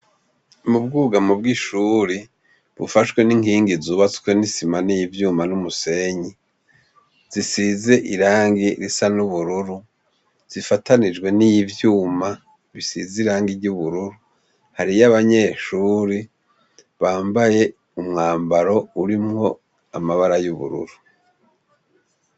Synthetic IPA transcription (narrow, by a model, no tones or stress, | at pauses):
mubɡuːɡamob̚ɡiʃuːɾi | βufaʃkwe̞niŋiːŋɡizuːβat͡skwenisimanijivjuːmanumuse̞ɲi | z̥isizeʔiɾaːŋɡiɾisanuβuɾuɾu | z̥ifatanid͡ʒwe̞nijivjuːma | βisiziɾaːŋɡiɾɟuβuɾuɾu | haɾijaβaɲe̞ːʃuːɾi | βaːmbaje̞ | umŋaːmbaɾo̞uɾimŋo̞ | amaβaɾajuβṵɾṵɾu